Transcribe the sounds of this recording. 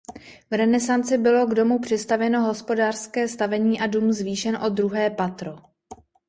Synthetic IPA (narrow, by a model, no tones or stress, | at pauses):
vɾɛnɛsant͡sɪbɪlo̞ɡdo̞mupr̝̥ɪst̪avjɛno̞ɦo̞spo̞daːr̥skɛːst̪avɛɲiːʔadumzviːʃɛnʔo̞d̪ɾuɦɛːpat̪ɾo̞